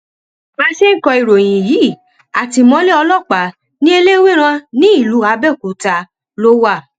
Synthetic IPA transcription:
mã˦ʃe˦n̩˦kɔ̃˧i˨ɾo˨j̃ĩ˨jiː˨˦˨ | a˨ti˧mɔ̃˧˦le˦ɔ˧lɔ˦˨k͡pa˨˦ | nĩ˦e˧le˦we˦ɾ̃ã˧nĩ˦i˦˨lu˨˦a˧˦bɛ˦˨ku˨˦ta˧ | lo˦wa˦˨

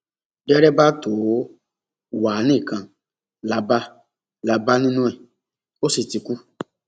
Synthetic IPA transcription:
d͡ʒɛ˦ɾɛ˦ba˦to˨˦ | wa˨˦nĩ˦˨kã˧ | la˧ba˦ | la˧ba˦nĩ˦nũ˦ɛ˦˨ | o˦si˨ti˨˧ku˦

